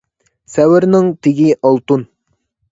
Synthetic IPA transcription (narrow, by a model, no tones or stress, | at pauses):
sɛwɪɾnɪŋt̪ʰɪɡʲiʔɑlˠt̪un